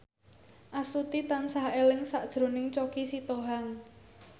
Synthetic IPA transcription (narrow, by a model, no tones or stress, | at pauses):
ʔasut̪it̪ansahelɪŋsaʔd̥ʒ̥ɾo̤nɪŋt͡ʃokisit̪oɦaŋ